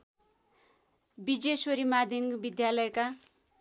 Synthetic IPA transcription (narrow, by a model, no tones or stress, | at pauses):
bid͡zesoɾimad̪ʱiŋbid̪jalʌjka